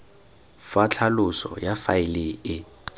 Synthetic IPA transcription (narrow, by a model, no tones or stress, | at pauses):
fat͡ɬʰalʊsɔ̰jafaɪleɪ